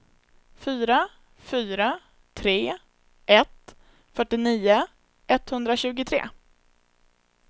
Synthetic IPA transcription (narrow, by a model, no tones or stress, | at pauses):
fyːɾa | fyːɾa | t̪ʰɾeː | ʔɛt̪ | fœʈːɪniːʊ | ɛt̪ːhɵnd̪ɾaɕʉ̟ːɡʊt̪ʰɾḛː